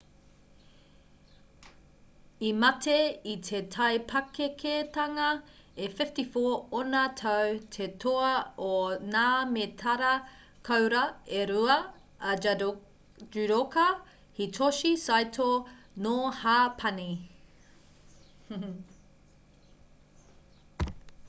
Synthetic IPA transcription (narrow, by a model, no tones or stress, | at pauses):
imɐtʰeit̪ʰe̞tʰɐjpʰɐkekʰetɐŋɐefɪftifoːonatʰɐwtʰetʰoɐonaːmetʰɐɾɐ | kʰɐwɾɐeɾuɐ | d͡ʒʉɾokɐ | hitʰoʃisajtʰo | nohaːpʰɐni